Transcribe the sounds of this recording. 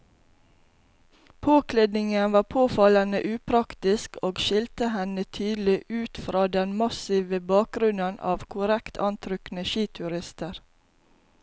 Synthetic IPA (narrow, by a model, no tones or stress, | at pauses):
pʰoːkʰled̪nɪŋənʋɑːpʰoːfɑlənəʔʉːpʰɾɑkt̪ɪskʰoːɡʃɪlt̪əhɛnət̪ʰyːd̪l̩ɪʔʉːt̪fɾɑːd̪ɛnmɑsiːʋəbɑːk̚ɡɾʉnənʔɑ̰ːʋkʰʊɾɛkt̪ʰɑnt̪ʰɾʏknəʃiːt̪ʰʉɾɪst̪əɾ